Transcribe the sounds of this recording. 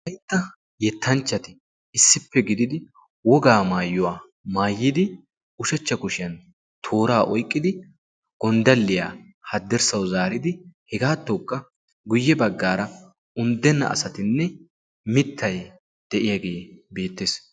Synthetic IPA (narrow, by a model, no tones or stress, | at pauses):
ɐjt̪ːɐ | jɛt̪ʰːɐnt͡ʃːɐt̪ɪ | ɪsːɪpːɛɡɪd̪ɪd̪ɪ | wɔɡaːmaːjːʊwaː | maːjːɪd̪ɪ | ʊʃɐt͡ʃːɐkʊʃɪjɐn | t̪ʰo̞ːɾaːʔɔjkʼːɪd̪ɪ | ɡ̥ɔnd̪ɐlːɪja | hɐd̪ːɛɾsɐwzaːɾɪd̪ɪhɛɡaːt̪ːɔkʼːɐ | ɡʊjːɛbɐɡːaːɾɐ | ʊnd̪ːɛnːɐ̰ʔɐ̰sɐt̪ɪnːɛ | mɪt̪ːɐj | d̪̥ɛʔɪjaɡe̞ːbe̞ːt̪ːeːs